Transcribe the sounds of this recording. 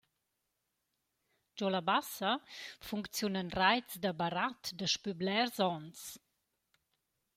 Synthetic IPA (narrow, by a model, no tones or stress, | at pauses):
d͡ʒɔlabasəfuŋkt͡sjunənrajt͡sdabaɾatdəʃpyblɛrzɔns